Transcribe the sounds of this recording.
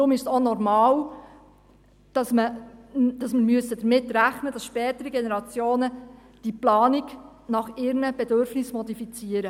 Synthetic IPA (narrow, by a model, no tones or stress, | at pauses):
ɾʊmɪʃsɔnɔɾmɑːl | d̥ɑsmə | d̥ɑsməɾmyəsəd̥̪əɾmɪtːɾæχnəd̥ɑsʃpɛːtəɾiɡɛnɛɾɑt͡sjoːnə | d̥iplɑːniɡ | nɑχɪɾnəb̥ɛdøɾfnɪsmɔd̪ifit͡siəɾə